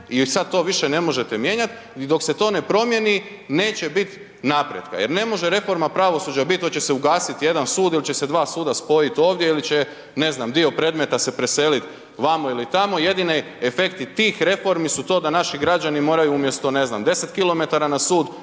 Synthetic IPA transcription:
isad̪̚t̪o̞ːʋiʃene̞mo̞ʒe̞t̪emje̞ːɲat̪ | d̪o̞kse̞t̪o̞ːne̞pɾo̞mje̞ni | ne̞ːt͡ɕe̞bit̪ | napɾjet̪ka̰jeɾne̞mo̞ʒe̞ɾe̞fo̞ɾmapɾaʋo̞suːd͡ʒabit̪t̪ot͡ɕe̞seuɡaːsit̪je̞d̪ansuːd̪ilit͡ɕe̞se̞d̪ʋaːsuːd̪aspo̞jit̪o̞ːʋd̪je̞ilit͡ɕe | ne̞znamd̪io̞pɾe̞d̪me̞t̪ase̞pɾe̞se̞ːlit̪ | ʋamoilit̪amo̞je̞d̪ini | efe̞kt̪it̪iːxɾe̞fo̞ɾmisut̪o̞ːd̪anaʃiɡɾad͡ʒanimo̞ːɾajuumje̞st̪o̞ne̞zna̰md̪e̞set̪kilo̞me̞t̪aɾanasuːd̪

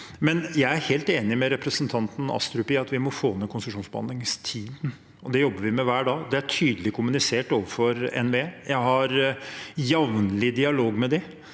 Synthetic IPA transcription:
mɛnjæɪæɾheːlt̪eːnɪmɛɾɛpɾəsənt̪ʰɑnt̪n̩ɑ̰st̪ɾʉpɪɑt̪ʋɪmɔfoːnːɛkʰʊnsəʂuːnsbəɑ̰nɪŋst̪ʰiːd̪n | ɔd̪ɛjɔbːəʋɪmɛʋæːɖɑːd̪ɛæʈʰyːd̪əlɪkʰʊmʉnɪseːʈoːʋəɾfɔɾɛ̰nʋeːjæɪɦɑɾ | jɑʋnlɪd̪ɪɑloːɡmɛd̪ɪ

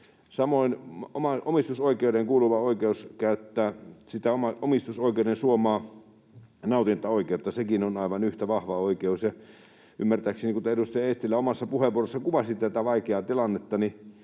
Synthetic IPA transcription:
sɑmoino̰mɑomist̪usoikˑeudeŋkuːluʋɑoikeuskæyt̪ːæːsit̪æomɑomist̪usoikeudensuomɑː | nɑˑut̪inet̪ːɑoˑikeut̪ːɑsekinonɑˑiʋɑnyht̪æʋɑhʋɑoikeusjɑ | y̰mːært̪æːˑksiniːŋkut̪edust̪ɑjɑest̪ilːæomɑsːɑpuheʋuoresːɑkuʋɑsʲit̪æt̪æʋɑikeɑːt̪ilɑnːet̪ːɑni

